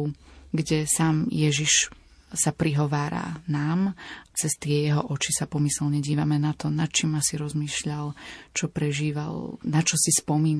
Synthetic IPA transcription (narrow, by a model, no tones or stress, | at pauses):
ɡɟɛsaːmjɛʒiʃ | sapɾiɦɔʋaːɾa̰naːmt͡sɛst̪ɪɛjɛɦɔʔɔt͡ʃisapɔmisɛlɲɛɟiːʋamɛnat̪ɔnat̪̚t͡ʃimːasiɾɔzmiːʃʎalt͡ʃɔpɾɛʒiːʋa̰lnat͡ʃɔsispɔmiːn